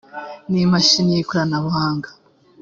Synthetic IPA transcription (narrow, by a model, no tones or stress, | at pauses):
nimaʃinijikuɾanaβuhaːŋɡḁ